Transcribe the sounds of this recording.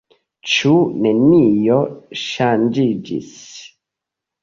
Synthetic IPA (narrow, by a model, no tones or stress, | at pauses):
t͡ʃunenijoʃand͡ʒid͡ʒḭs